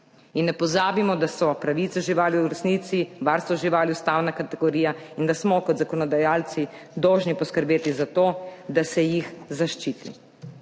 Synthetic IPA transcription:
inːɛpɔzaːbimɔd̪asɔpɾaʋiːt̪sɛʒiʋaːljuɾɛsnit̪siʋaːɾst̪ʋɔʒiʋaːljust̪aːwnakat̪ɛɡɔɾiːjaind̪asmɔkɔd̪zakɔnɔd̪ajaːlt̪si | d̪ɔwʒnipɔskəɾbeːt̪izat̪oːd̪asɛjixzaʃt͡ʃiːt̪ḭ

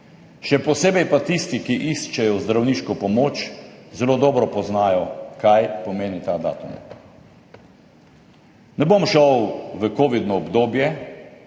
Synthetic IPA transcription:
ʃɛpɔseːbɛjpat̪ist̪ikiʔist͡ʃɛjɔzd̪ɾawniːʃkɔpɔmoːt͡ʃzɛloːd̪ɔːbɾɔpɔznajɔkajpɔmeːnit̪aːd̪a̰ːt̪ṵm | nɛbomʃɔwʋəkoːʋid̪nɔːbd̪oːbjɛ

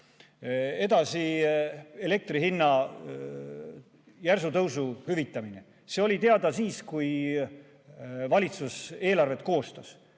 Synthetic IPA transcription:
e̞d̪ɑsi | e̞le̞k̚t̪riɦinːɑ | jærs̬ut̪ɤwsuhyvit̪ˑːɑmine | seo̞lʲit̪e̞ɑd̪ɑsiːskuj | vɑlʲit̪suse̞ːlɑrve̞t̪̚ko̞ːst̪ɑs

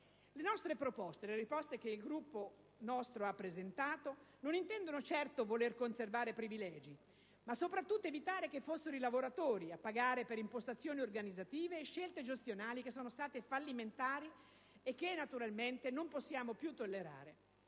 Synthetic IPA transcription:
lenɔst̪ɾepɾopɔst̪eleɾispɔst̪ek̟eilɡɾupːo | nɔst̪ɾoapːɾezent̪aːt̪ononint̪ɛnd̪onot͡ʃɛrt̪ovolerkonservaːɾepɾivilɛːd͡ʒi | masːopɾat̪ːut̪ːoevit̪aːɾekefːosːeɾoilavoɾat̪oːɾiapːaɡaːɾepeɾimpost̪at̪sːjoːniorɡanid̪zat̪iːveːʃːelt̪ed͡ʒest̪jonaːlik̟esːoːnost̪aːt̪efalːiment̪aːɾi | ekːenːat̪uɾalment̪enomposːjaːmopjut̪ːolːeɾa̰ːɾe

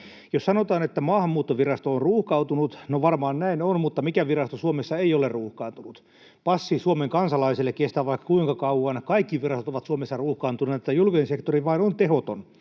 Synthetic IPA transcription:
jossɑnot̪ɑːnet̪ːæmɑːhɑmːuːt̪ːoʋirɑst̪oonruːhkɑut̪unut̪noʋɑrmɑːnnæinonmut̪ːɑmikæʋirɑst̪osuomesːɑeijolerruːhkɑːnt̪unut̪ | pɑsːisuomeŋkɑnsɑlɑiselːekkest̪æːʋʋɑikːɑ̥kuiŋkɑkɑuɑnkɑikːiʋirɑst̪ot̪oʋɑt̪suomesːɑruːhkɑːnt̪uneet̪ːæjulkisensekt̪oriʋɑinont̪ehot̪on

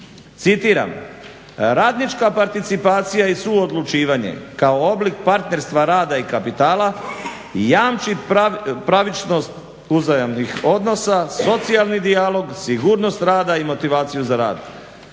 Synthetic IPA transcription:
t̪sit̪iɾa̰m | ɾaːd̪nit͡ʃkapaɾt̪it̪sipaːt̪sijaisuod̪lˠut͡ʃiːʋaɲe̞̰kaooblik̚paɾt̪ne̞ɾst̪ʋaɾaːd̪aikapit̪aːla | jaːmt͡ʃipɾaʋit͡ʃno̞st̪ | uzajamnixo̞d̪no̞saso̞t̪sijalˠnid̪ialo̞ɡsiɡuːɾno̞st̪ɾaːd̪aimo̞t̪iʋaːt̪sijuzaɾa̰ːd̪

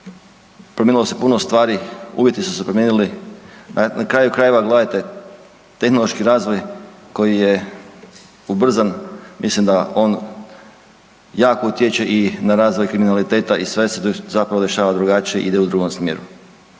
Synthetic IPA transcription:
pɾomʲenilo̞se̞punost̪ʋaːɾiṵʋje̞t̪isu̥sepɾomʲjeːnulinanakɾaːjukɾaːje̞ʋaɡlˠadat̪e̞ | t̪e̞xno̞lˠo̞ʃkiɾaːzʋojko̞jije̞ | ubr̩zanmislimd̪ao̞ːn | jaːkout̪jet͡ɕe̞ʔinaɾaːzʋojkɾiminalit̪e̞ːt̪aʔisʋesezapɾaʋod̪e̞ʃaːʋad̪ɾuɡat͡ʃijeʔḭd̪eud̪ɾuːɡo̞msmjḛːɾu

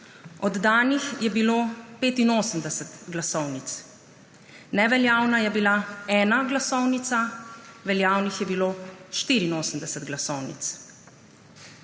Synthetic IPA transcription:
ɔd̪ːaːnixjɛbiloːpeːt̪inoːsəmd̪ɛsɛt̪ɡlasɔwnit̪s | nɛʋɛljaːwnajɛbilaɛːnaɡlasɔwnit̪saʋɛljaːwnixjɛbiloːʃt̪iɾinoːsəm̩d̪ɛsɛt̪ɡlasɔwnḭt̪s

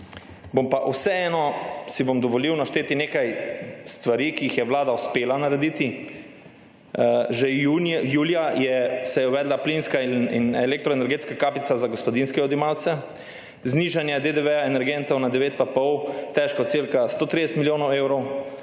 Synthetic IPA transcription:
bompaʔusɛɛːnɔsibomd̪ɔʋɔliwnaʃt̪eːt̪ineːkajst̪ʋaɾiːkijixjɛʋlaːd̪auspeːlanaɾɛd̪it̪i | ʒɛjuːljajɛsɛjɛuʋɛːd̪laplinskaḭnɛlɛk̚t̪ɾɔenɛɾɡet̪skakaːpit̪sazaɡospɔd̪inskɛɔd̪imawt̪sɛ | zniːʒanjɛd̪ed̪eʋɛaenɛɾɡɛnt̪ɔwnad̪ɛʋeːt̪̚papɔwt̪ɛʃkat̪siɾkast̪oːt̪ɾid̪ɛsət̪miljoːnɔwewɾɔw

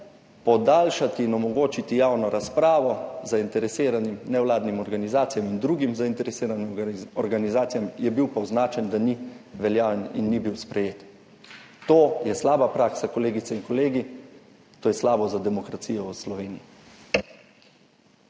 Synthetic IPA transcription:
pɔd̪aːlʃat̪iːnɔmɔɡoːt͡ʃit̪ijaːwnɔɾaspɾaːʋɔzaint̪ɛɾɛseːɾanimnɛwlaːd̪nimɔɾɡanizaːt̪sijamind̪ɾuːɡimzaint̪ɛɾɛseːɾaniɔɾɡanizaːt̪sijamjɛbiwpɔwznaːt͡ʃɛnd̪aniʋɛljaːʋɛnḭnːibiwspɾɛjeːt̪ | t̪oːjɛslaːbapɾaːksakɔleːɡit̪sɛinkɔleːɡi | t̪oːjɛslaːbɔzad̪ɛmɔkɾat̪sijɔwslɔʋeːniji

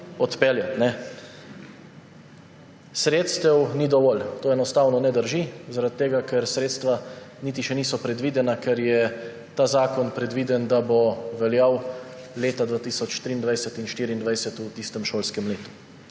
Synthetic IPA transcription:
ɔt̪pɛljat̪nɛ | sɾeːt̪st̪ɛwnid̪ɔʋɔlt̪oːɛnɔst̪aːwnɔnɛd̪əɾʒizaɾat̪ːeːɡakɛɾsɾeːt̪st̪ʋaniːt̪̬iʃɛnisɔpɾɛd̪ʋiːd̪ɛnakɛɾjɛ | t̪aːzaːkɔnpɾɛd̪ʋiːd̪ɛnd̪abɔʋɛljawleːt̪ad̪ʋaːt̪iːsɔt͡ʃʃt̪ɾiːnd̪ʋajsɛt̪inʃt̪iːɾiːnd̪ʋajsɛt̪ut̪iːst̪ɛmʃoːlskɛmleːt̪u̥

